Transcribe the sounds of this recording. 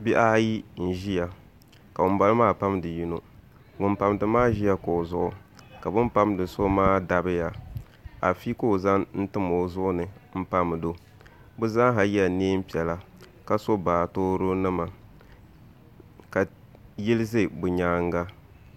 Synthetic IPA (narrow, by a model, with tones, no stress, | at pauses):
bi˦ʔa˦ji˦n̩˨ʒi˦ja˨ | ka˨ʊ˨mba˦lɨ˦maː˦pa˦mdɨ˨ji˦no˨ | ŋʊ˨npa˨mdɨ˨maː˦ʒi˦ja˦ko˨zʊ˦ʔʊ˨ka˨bɨ˦m˦pa˦mdɨ˨so˦maː˦da˨bɨ˦ja˨ | a˨fi˦ko˦˨za˦ŋn̩˦tɨ˦mo˨˦zʊ˦ʔʊ˦nɨ˨m̩˦pa˦m˨do˦ | bʊ˦za˦ŋ˦ɦa˨jɛ˦˨neː˦m˦pi˨ɛ˨la˦ | ka˦so˦baː˨toː˦ɾo˦nɨ˦ma˨ | ka˨ | ji˦lɪ˦ze˦bʊ˨ɲaː˨˦ŋ˦ɡa˦